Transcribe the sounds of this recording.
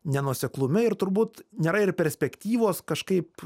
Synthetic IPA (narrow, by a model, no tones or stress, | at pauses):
nʲɛnuɔsʲɛklˠʊmʲɪɪɾt̪ʊɾbuːt̪nʲeːɾɐɪrpʲɛɾʲsʲpʲɛkt̪ʲiːʋoːskɐʃkɐɪp